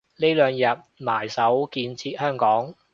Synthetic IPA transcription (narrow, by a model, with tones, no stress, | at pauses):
le˥jlœː˨ŋjɐ˨˩t̚maː˨˩jsɐ˨˥wkiː˧nt͡sʰiː˧t̚hœː˥ŋkɔː˨˥ŋ